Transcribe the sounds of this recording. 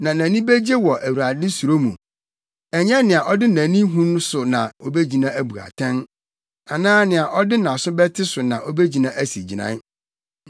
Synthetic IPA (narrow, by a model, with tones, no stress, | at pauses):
nã˨nã˨nĩ˦be˦d͡ʑe˦wɔ˨ʔæ˨wu˨ɾa˨dɪ̃˦su˨ɾo˦mṵ̃˨ | ɛ˨ɲɛ̃˦nɪ̃˨a˨ʔɔ˦dɪ˦nã˨nĩ˦ɦũ˦ñ˦sʊ˨nã̰˨o˦be˦d͡ʑi˨nã˦æ˨bu˨a̰˨tʰɛ̃˦n | a˨nãː˦nɪ̃˨a˨ʔɔ˦dɪ˦nã˨sʊ˦bɛ˦tʰɪ˦sʊ˨nã˨ʔo˦be˦d͡ʑi˨nã˦ʔæ˦si˨d͡ʑi˨nã̰˦n